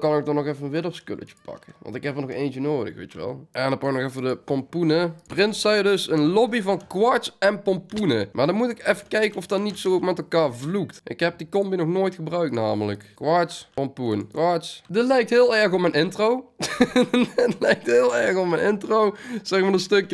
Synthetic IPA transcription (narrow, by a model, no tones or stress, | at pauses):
kɑnok̚dɑnɔxɛfənənʋɪdəskø̰lə̰t͡ʃə̥pɑ̰kəʋɑ̰ntɪkɦɛpənɔxḛːnt͡ʃənoːdə̰xʋḛjtəʋɛ̰lˠʔɛndɑpɑk̚nɔxɛfədəpɔmpunəprɪntsɛjdɵsənlɔbivɑnkʋɑɹtsɛnpɔmpunəmʔaːɹdɑnmutɪkɛfəkɛjkəɔfdɑtnitsoːmɛtɛlˠkaːɹvluktʔɪkɦɛp̚dikɔmbinɔxnoːjtxəbrœɥktnaːmələ̰kkʋɑɹtspɔmpuənkʋɑɹtsdətlɛjk̚tɦɪːlˠɛɹxɔpmɛnɪntrow | lɛjk̚tɦɪːlˠɛɹxɔp̚mɛjnɪntrowz̥ɛxmadəstɵkjə